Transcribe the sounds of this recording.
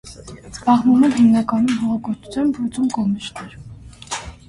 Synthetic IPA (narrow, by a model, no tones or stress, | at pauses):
zbɑʁnumɛnɦimnɑkɑnumɦɔʁɑkɔɾt͡ʃʰu̥t͡sʰɑnpʰɾut͡sumkɔmiʃt̪ʰɛɾ